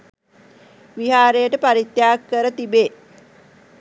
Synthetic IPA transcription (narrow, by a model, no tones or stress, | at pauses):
ʋiɦaːɾejəʈəpaɾit̪jaːkːəɾət̪ibeː